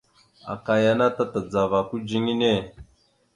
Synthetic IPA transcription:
a̰˨ka˨ja˦na˦ta˦ta˨d͡za˨va˨ku˦d͡ʒi˦ni˦ne˦˨

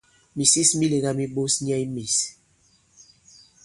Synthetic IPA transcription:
mi˨si˦smi˦le˨ɣa˦mi˦ɓo˦sɲ˦ɛ˦i˦mi˨s

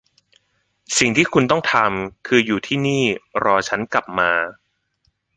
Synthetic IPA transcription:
si˨˩ŋt̪ʰiː˥˩kʰu˧nt̪ɔ˥˩ŋt̪ʰa˧mkʰɯː˧juː˨˩t̪ʰiː˥˩niː˥˩ɾɔː˧t͡ɕʰa˦˥nka˨˩p̚maː˧

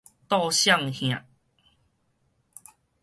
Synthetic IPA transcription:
t̪ɔ˥˧ɕja˥˧ŋhj̃ã̰˨ʔ

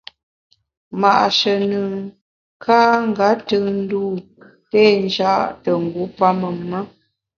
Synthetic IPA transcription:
ma˨ʔʃə˨nə˨ | kʰa˦ŋ˦˨ɡa˨˦tɨ˦˨n̩˦duː˦ | peː˦n˦d͡ʒa˦ʔtə˨ŋ̩˨ɡu˨˦pa˦mə˨mːə˦

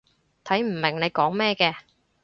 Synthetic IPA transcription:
t̪ʰɐ˨˥jm̩˨˩mɪ˨˩ŋne˨˧jkɔː˨˥ŋmɛː˥kɛː˧

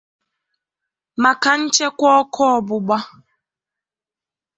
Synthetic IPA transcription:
ma˨ka˨n̩˦t͡ʃe˦kʷɔ˦kʰɔ˦ɔ˨bʊ˨ɡ͡ba˦

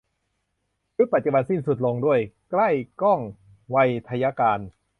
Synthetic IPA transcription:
ku˦˥pa˨˩t͡ɕu˧ba˧nsi˥˩nsu˨˩t̪̚lo˧ŋdu˥˩əjkla˥˩jkɔ˥˩ŋ | wa˧jt̪ʰa˧ja˧˥kaː˧n

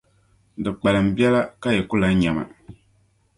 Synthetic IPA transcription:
dɨ˨k͡pa˨lɨ˨m̩˨bi˦ɛ˦la˦ka˦jɛ˨ku˦la˦ɲa˨ma̰˨

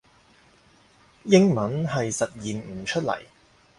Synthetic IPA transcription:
jɪ˥ŋmɐ˨˥nɦɐ˨jsɐ˨t̚jiː˨n̩˨˩t͡ʃʰɵ˥t̚lɐ̰˨˩j

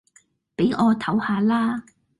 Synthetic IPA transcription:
pe˨˥jŋʔɔː˨˧t̪ʰɐ˨˥whaː˧laː˥

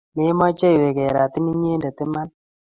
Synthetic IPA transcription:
me˦mɔ˦t͡ʃɛ˦jwe˨kɛ˨ɾa˨ti˦ni˦ɲe˦ndɛ˨tɪ˦ma˦n

